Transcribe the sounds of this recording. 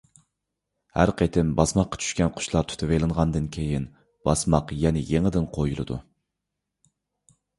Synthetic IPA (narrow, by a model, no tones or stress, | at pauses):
hæ̰ɾqʰet̪ʰɪmbɑsmɑqːɑ̥t͡ʃʰy̥ʃkʲɛnqʰʊ̥ʃlˠɑɾt̪ʰy̥t̪ʰɪvejlˠɨnʁɑnd̪ɨnkʲʰejin | b̥ɑsmɑqjɛnɪjeŋɪd̪ɪnqʰojulˠɨ̰d̪ṵ